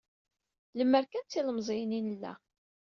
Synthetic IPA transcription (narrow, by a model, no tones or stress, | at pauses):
ləmːəɾkænt͡sːiləmzˤijninəlːæ̰